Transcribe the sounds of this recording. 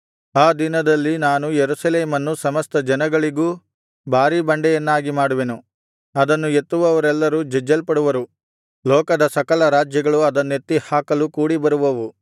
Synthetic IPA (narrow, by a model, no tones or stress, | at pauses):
aːd̪inɐd̪ɐlːinaːnujeɾusɐleːmɐnːusɐmɐst̪ɐd͡ʒɐnɐɡɐɭiɡuː | bʱaːɾibɐɳɖɛjɐnːaːɡimaːɽuʋenu | ɐd̪ɐnːue̞t̪ːuʋɐʋɐɾɛlːɐɾud͡ʒɛd͡ʒːɐlpɐɽuʋɐɾu | lɔːkɐd̪ɐsɐkɐlɐɾaːd͡ʒjɐɡɐɭuɐd̪ɐnːet̪ːihaːkɐlukuːɽibɐɾuʋɐʋu